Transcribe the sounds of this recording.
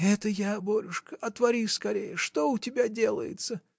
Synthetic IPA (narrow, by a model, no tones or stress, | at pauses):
ɛt̪əjaboɾʲʊʂkəɐt̪vɐɾʲiskɐɾʲejəʂt̪o̞ʊtʲɪbʲadʲe̞lˠə̰jɪ̰t̪sə